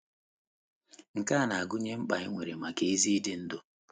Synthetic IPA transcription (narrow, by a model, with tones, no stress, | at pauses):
ŋ̩˨ka˦˨na˨a˨ɡʊ˦ɲe˦m̩˦k͡pa˨ɲi˦ŋʷe˨ɾe˨ma˨ke˨i˦zi˦dɪ˦n̩˦dʊ˦